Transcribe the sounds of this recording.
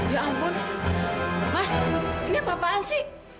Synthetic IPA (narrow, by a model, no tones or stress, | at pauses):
d̪ioʔampʊn | masinibapaansi